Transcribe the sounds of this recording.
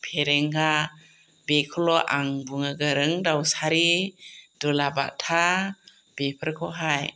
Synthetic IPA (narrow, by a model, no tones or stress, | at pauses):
pʰeɾeŋɡa | bekʰɔlɔʔaŋbuŋɯɡəɾɯŋdawsaɾi | dɔlaba̰ʔtʰa | b̥epʰəɾkʰɔɦaj